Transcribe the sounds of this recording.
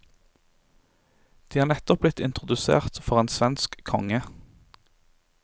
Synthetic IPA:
d̪̥iːhɑːʁnɛt̪ɔp̚blɪt̪ɪnt̪ʁʊd̪ʉsḛːʁt̪fɔʁeːnsʋɛnskkʰɔ̰ŋə

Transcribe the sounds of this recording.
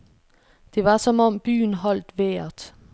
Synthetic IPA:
d̥e̝ʋɑ̈sɒ̽mɒ̽mb̥y̰ːnɦɒ̽l̰d̥ʋeːɐd̥

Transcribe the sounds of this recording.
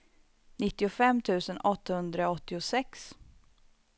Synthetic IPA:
nɪt̪ːɪʊfɛmːt̪ʰʉ̟ːsənʔɔt̪ːahɵnd̪ɾaɔt̪ːɪʊsɛks

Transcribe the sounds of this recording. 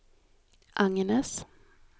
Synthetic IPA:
ʔaŋnɛs

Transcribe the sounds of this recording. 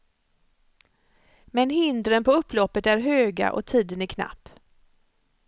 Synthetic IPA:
mɛnɦɪnd̪ɾənpɔɵpːlɔpːət̪æɾɦøːɡa̰ʔɔ̰t̪ʰiːd̪ənækʰna̰pː

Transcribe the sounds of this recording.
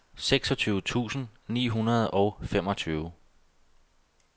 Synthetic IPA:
seɡ̥sɒ̽t͡sʰyːʊt͡sʰṵːsn̩nḭːɦunɐð̞̩ˠɒ̽ʊfem̰ɒ̽t͡sʰyːʊ

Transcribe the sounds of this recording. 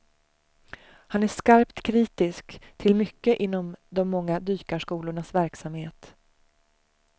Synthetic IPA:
hanæʂkaɾpt̪kʰɾiːt̪ɪskt̪ʰɪlmʏkːəʔɪn̪ːɔmd̪ɔmːɔŋːad̪yːkaʂkuːlʊɳasvæɾksamheːt̪

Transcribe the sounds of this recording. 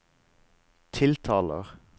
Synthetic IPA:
t̪ʰɪlt̪ʰɑːlə̰ʁ

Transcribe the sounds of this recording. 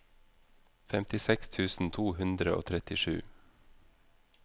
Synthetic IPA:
fɛmt̪ɪsɛkst̪ʰʉːsn̩t̪ʰuːhʉnd̪ɾəo̰ːt̪ʰɾɛt̪ɪʃʉ̰ː

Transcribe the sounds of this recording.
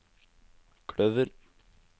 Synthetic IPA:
kʰɽœʋəɾ

